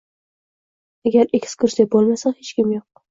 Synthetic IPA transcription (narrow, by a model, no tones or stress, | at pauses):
aɡʲaɾekʲʰɪ̥skʰʊɾʃd̪ep̚bolˠmasahet͡ʃkʲɪmjoq̚